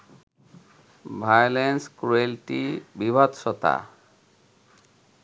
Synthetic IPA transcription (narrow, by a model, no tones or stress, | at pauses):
bʱajlenskɾuelʈibibʱat̪ʃɔt̪a̰